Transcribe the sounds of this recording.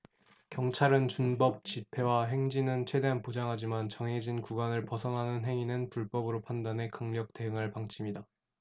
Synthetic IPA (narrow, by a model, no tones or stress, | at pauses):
kjʌŋt͡ɕʰaɾɯnt͡ɕunbʌp̚t͡ɕipʰe̞waɦe̞ŋd͡ʑinɯnt͡ɕʰwe̞de̞ɦanpod͡ʑaŋɦad͡ʑimant͡ɕʌŋɦed͡ʑinkuɡanɯɭpʌsʰʌŋɦanɯnɦe̞ŋinɯnpuɭp͈ʌbɯɾopʰandane̞kaŋɲʌk̚te̞ɯŋɦaɭpaŋt͡ɕʰimida